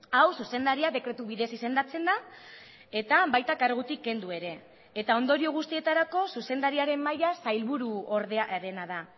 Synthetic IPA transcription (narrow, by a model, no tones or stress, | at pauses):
awsuse̞nd̪aɾiaðe̞kɾe̞t̪uβiðe̞sise̞nd̪at͡se̞nd̪a | e̞t̪aβajt̪akaɾɣ̞ut̪ikːe̞nd̪ue̞ɾe̞ː | t̪ao̞nd̪o̞ɾio̞ɣ̞ust̪ie̞t̪aɾako̞suse̞nd̪aɾiaɾe̞mːajasajlβuɾuo̞ɾðeaɾe̞naða